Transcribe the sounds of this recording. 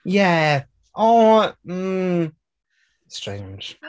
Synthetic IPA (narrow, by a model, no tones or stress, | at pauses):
jæ | ʔoʊm̩ | stɹ̥ẽɪ̃nd͡ʒ̥